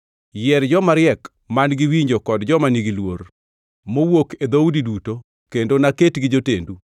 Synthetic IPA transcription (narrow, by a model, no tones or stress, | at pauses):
jɛɾd͡ʒɔmaɾɪɛk | manɡɪwiɲd͡ʒokɔdd͡ʒɔmaniɡilwor | mowoked̪audiduto | kendonaketɡɪd͡ʒotendu